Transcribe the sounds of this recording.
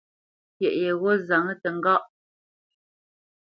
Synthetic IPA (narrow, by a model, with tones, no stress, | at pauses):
pjɛ˨ʔje˨ɣo˦za˨ŋə˦tə˨ŋ˦ɡɔ˦ʔ